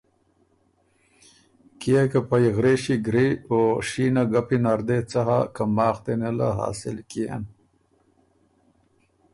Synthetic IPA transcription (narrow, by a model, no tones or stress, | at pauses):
kijekapajɣɾeːɕiɡɾioʂiːnaɡapinaɾd̪et͡saɦa̰kamaːχt̪enela̰ɦa̰ːsɪlkijḛn